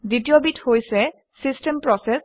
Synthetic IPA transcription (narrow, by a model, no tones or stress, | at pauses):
ditiobithojsɛ | sistɛmpɹɔsɛs